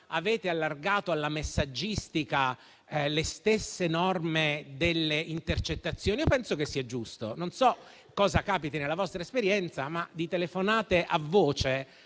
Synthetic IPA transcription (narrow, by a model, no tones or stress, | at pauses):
avɛːt̪ealːarɡaːt̪oalːamesːad͡ʒːist̪ika | lest̪esːenɔrmed̪elːeint̪ert͡ʃet̪ːat̪sːjoːniopɛnsokesːiːad͡ʒust̪o̰nonsɔ | kɔːzakaːpit̪enelːavɔst̪ɾaespeɾjɛnt̪samad̪it̪elefonaːt̪eʔavːoːt͡ʃe